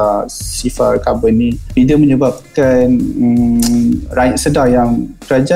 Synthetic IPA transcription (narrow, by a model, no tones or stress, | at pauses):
asifa̰ʔkabənibidəməɲəbap̚kanə | ɾajitsədajaŋkəɾad͡ʒa